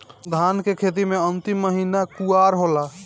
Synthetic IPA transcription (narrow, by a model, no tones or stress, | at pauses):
d̪ʱankekʰet̪̬imeənt̪imːəɦinakuaɾɦola